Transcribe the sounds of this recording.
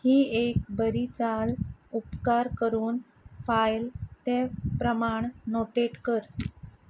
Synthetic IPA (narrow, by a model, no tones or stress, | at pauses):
hiːekbəɾit͡salupkaɾkəɾuːn | fajlt̪epɾəmaɳnoʈeʈkəɾ